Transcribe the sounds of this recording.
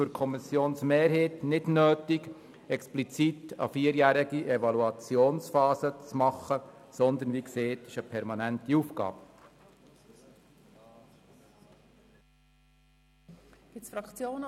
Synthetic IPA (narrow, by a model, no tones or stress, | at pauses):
fʏɾkʰɔmɪsjoːnsmeːɾɦetnɪdnøːt̪ɪɡ | ɛksplit͡sitɑ̰fiəɾjæːɾɪɡiʔɛʋɑluɑt͡sjoːnsfɑːsət͡smɑχəsɔnd̪ənʋikseːtɪʃəpʰɛɾmɑnæntiuːfɡɑ̰ːp | ɡ̥ɪt͡sfɾɑkt͡sjoːn